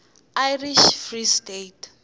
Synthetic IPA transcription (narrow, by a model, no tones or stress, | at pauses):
ajriʃfristetʰ